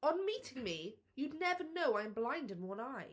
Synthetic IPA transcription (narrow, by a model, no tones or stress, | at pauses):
ə̃nmiɾɪ̃ŋmi | jɨdⁿnɛvə˞noʊãɪɨ̃mblãɪ̃ndɨ̃nwʌ̃naɪ